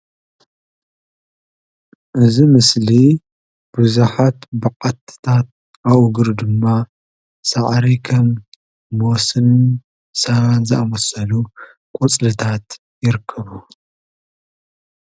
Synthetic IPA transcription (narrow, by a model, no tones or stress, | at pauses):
ʔɨzimɨsli | b̥ɨzuħat̪bɐqʼɐt̪ʰːɨ̥t̪ʰat̪̚ | ʔawɡɨɾd̪ɨmːa | saʕɾikʰɐmː | osɨn | sɐɾanzɨʔamɐsɐlu | kʼut͡sʼlɨt̪ʰat̪ | jɪɾɨkʰːɐβu